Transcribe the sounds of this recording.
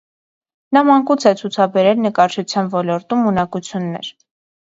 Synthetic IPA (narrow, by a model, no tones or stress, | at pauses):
nɑmɑŋkut͡sʰɛt͡sʰut͡sʰɑbɛɾɛlnəkɑɾt͡ʃʰut͡sʰjɑnvɔlɔɾt̪umunɑkut͡sʰjunːɛ̰ɾ